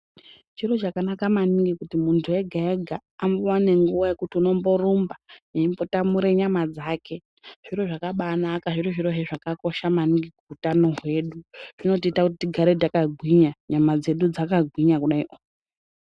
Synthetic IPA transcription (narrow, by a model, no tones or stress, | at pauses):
t͡ʃiro̞t͡ʃakanakamaniŋɡikutimuntʰue̞ɡʱaeɡʱaːmbowane̞ŋɡuʋaje̞kutiuno̞mbo̞rumbajeimbo̞tamuɾeɲamad͡zaːkʰe̞ | ʐ̥iɾoʐakaɓanakaʐiɾoʐiɾoɦeʐakako̞ʃamaniŋɡikuutano̞ɦwe̞ɗuʐ̥ino̞t̬iːtakut̬itiɡʱaɾedakaɡʱwiɲaɲamad͡ze̞ɗud͡zakaɡʱwiɲakuɗaḭʔo